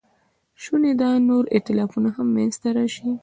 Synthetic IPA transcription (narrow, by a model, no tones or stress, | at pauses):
ʃuned̪ɑnoɾɪ̰t̪ɪlɑfunahamːanzt̪aɾɑʃi